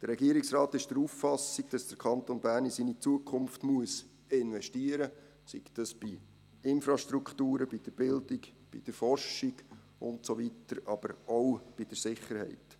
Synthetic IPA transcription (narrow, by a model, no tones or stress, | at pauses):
d̥əɾɛɡiəɾiksɾɑːtɪʃd̥əɾufːɑsiɡ̥d̥ɑsd̥əɾkʰɑnt̪onbæːɾnisiːnit͡suəkʰχʊmftmuəs | ɪnvɛʃtiəɾə | sḭktɑsb̥i | ɪnfɾɑʃtɾukχtuːɾəb̥id̥əɾb̥ɪld̥ɪkb̥ḭd̥əɾfɔrʃiɡ | ʊ̰ntsovitəɾɑb̥əɾowb̥id̥əɾsɪχːəɾhɛ̰ɪt